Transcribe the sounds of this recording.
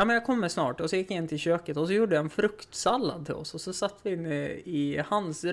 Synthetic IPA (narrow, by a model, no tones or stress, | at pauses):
jamɛnjakʰɔmːəsnɑ̰ːʈɔsɔjɪkːjaɪnːt̪ʰɪlɕøːkət̪ɔs̬ɔjuːɖəjaɛnfɾɵkt̪salːa̰d̪̚t̪ʰɪ̰lɔ̰sɔsɔsat̪ːəvɪɪnːəɪhans